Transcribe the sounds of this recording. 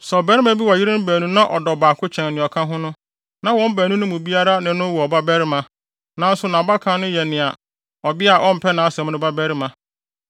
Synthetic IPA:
sɔ˨bɛ˦ɾɪ˦mã˦bi˦wa˨ji˦ɾɪ̃˦n̩˦bæː˨nũ˦nã˦ʔɔ̰˨dɔ˨baː˨kʰʊ˦t͡ɕʰɛ̃˨n˨nɪ̃˨ɔ˨kʰã˦ɦʊ̃˦nʊ̃˦ | nã˨wɔ̃˦m˦bæː˨nũ˦nʊ̃˦mʊ̃˨bi˦a˦ɾa˦nɪ̃˨nʊ̃˦wɔ˨ba˦bɛ˦ɾɪ˦mã˨ | nã˨˦n˦sʊ˨nã˨ba˦kʰã˨˦nʊ̃˦jɛ˨nɪ̃˨a˨ | ɔ˨bɪ˦a˨ʔɔ˦m̩˨pʰɛ˦nã˨a˦sɛ̃˨m˦nʊ̃˦ba˦bæ˦ɾɪ˦mã˨

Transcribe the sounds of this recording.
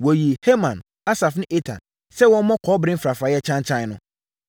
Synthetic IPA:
wɔ˨ji˨he˦mã̰˨n | a˦sa˨fnɪ̃˦ʔe˦tʰã̰˨n | sɛ˦wɔ̃˦mɔ̃˦kʰɔ˦bɾɪ̃˦m̩˦fɾa˨fɾa˨˦jɛ˦t͡ɕʰã˦ɲ˦t͡ɕʰã˦n˨˦nʊ̃˦

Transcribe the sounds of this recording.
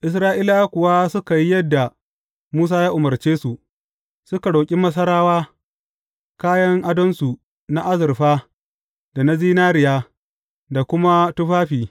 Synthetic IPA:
ʔɪ˨s̬ɾaː˦ʔiː˦la˦kʷʊ˨waː˦sʊ˦ka˨ji˦jɐ˦dːa˨ | muː˦s̬aː˦jaː˦ʔʊ˨mɐ˨rt͡ʃeː˦su˨ʔ | sʊ˦ka˨ɽoː˨kʲʼɪ˦mɐ˦s̬ɐ˦ɽaː˦waː˦ | kaː˦jɐ˦ŋʔa˦dɐ˦nsu˨ | na˦ʔa˦zɪ˨ɾɸaː˦ | d̥a˨na˦ziː˦naː˦ɾɪ˨jaː˦ | da˨kʷʊ˦ma˦tʊ˦ɸaː˦ɸiː˨

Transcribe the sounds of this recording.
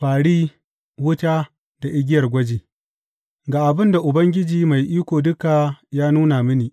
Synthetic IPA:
ɸaː˨ɽiː˦ | wʊ˦ta˦ | d̥a˨ʔɪ˦ɡʲɪ˦jɐ˨rɡʷɐ˦d͡ʒiː˨ | ɡaː˨ʔa˨bɪ˦nda˨ʔʊ˨bɐ˦ŋɡʲɪ˦d͡ʒiː˨ma˨jʔiː˦kʷoː˨dʊ˦ka˨jaː˦nuː˦na˨mɪ˦niː˨

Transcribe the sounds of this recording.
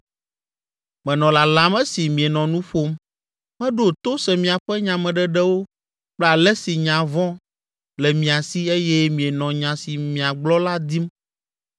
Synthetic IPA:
mɛ̃˨nɔ̃˨la˨lã˨˦mɛ˦si˨mĩ˨e˨nɔ̃˨nũ˦ɸo˦m | mɛ̃˦ɖo˦˨t̪o˦sɛ˨mĩ˨a˨ɸɛ˦ɲã˨mɛ̃˨ɖɛ˦ɖɛ˦wo˦ | k͡plɛ˦a˨lɛ˦si˨ɲã˨vɔ̃˦ | lɛ˨mĩ˨a˨si˦e˦jɛ˦mĩ˨e˨nɔ̃˨ɲã˨si˨mĩ˨a˨ɡ͡blɔ˦la˦d̪i˦m

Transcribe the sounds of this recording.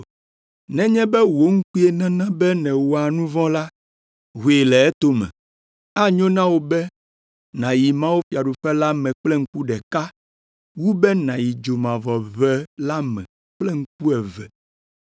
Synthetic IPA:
nɛ̃˦ɲɛ̃˦bɛ˦wo˦ŋ̩˦ku˦e˨nã˦nã˦bɛ˦nɛ̃˨wo˨a˨nũ˦vɔ̃˦la˦ | ɦu˨e˨lɛ˨ɛ˦t̪o˦mɛ̰̃˨ | a˦ɲõ˦nã˦wo˨bɛ˦ | nã˨ji˨mã˦wo˦fi˦a˨ɖo˨ɸɛ˦la˦mɛ̃˨k͡plɛ˦ŋ̩˦ku˦ɖɛ˨ka˦ | wu˦bɛ˦nã˨ji˨d͡ʒo˨mã˨vɔ˨vɛ˦la˦mɛ̰̃˨ | k͡plɛ˦ŋ̩˦k̚u˦ɛ˨vɛ̰˨

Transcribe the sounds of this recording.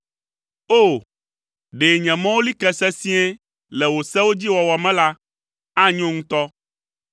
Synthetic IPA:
o˦˨ | ɖe˨ɲɛ̃˨mã˦wo˦li˦kɛ˦sɛ˦sĩ˦ɛ̃˦ | lɛ˨wo˨sɛ˦wo˦d͡ʑi˦wɔ˨wɔ˨mɛ̃˦la˦ | a˦ɲõ˦ŋũ˦t̪ɔ˦

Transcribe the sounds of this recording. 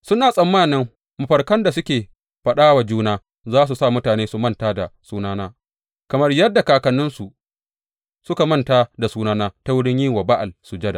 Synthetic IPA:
sʊ˦naː˨sʼɐ˨mːaː˦˨nɪ˦m | mʊ˨ɸɐ˨rkɐ˦nda˨sʊ˦kʲeː˨ | ɸɐ˨ɗaː˦wa˨d͡ʒuː˦naː˦ | zaː˦s̬u˨sa˦˨mʊ˦taː˨neː˦su˨mɐ˦ntaː˦da̰˨suː˦naː˦naː˦ | kɐ˨mɐ˦rjɐ˦dːa˨kaː˨kɐ˨nːɪ˦nsu˨ | sʊ˦ka˨mɐ˦ntaː˦da˨suː˦naː˦naː˦ta˦wʊ˦ɽɪ˦ɲjiː˦wɐ˨ba˦ʔa˨lsu˨d͡ʒɐ˦da̰˨

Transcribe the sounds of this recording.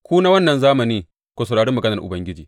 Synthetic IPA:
kʷuː˦na˦wɐ˦nːɐ˨nzaː˦mɐ˨niː˦ | kʷo˦sɐ˨ɽaː˨ɽɪ˦mːɐ˨ɡɐ˦nɐ˨rʔʊ̰˨bɐ˦ŋɡʲɪ˦d͡ʒḭː˨

